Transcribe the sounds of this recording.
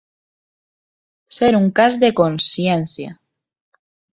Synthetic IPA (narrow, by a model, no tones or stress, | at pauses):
seɾuŋkazðe̞konsjenθja̰